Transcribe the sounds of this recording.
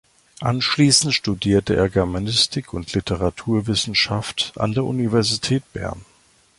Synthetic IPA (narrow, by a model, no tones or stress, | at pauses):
ʔanʃliːsn̩tʃtudiːɐtəʔḛːɐɡɛɐmanɪstʰɪkʰʊntʰlitʰəʁatʰuːɐvɪsn̩ʃaftʔa̰ndeːɐʔunivɛɐzitʰɛːt̚b̥ɛ̰ɐn